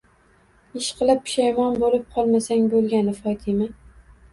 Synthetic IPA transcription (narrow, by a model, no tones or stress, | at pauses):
ɪʃqʰɨlˠɪp̚ːʰɪ̥ʃajmɒnbolɪp̚qʰɒlˠmasaŋbolˠɡʲanɪfɒt̪ʰɪma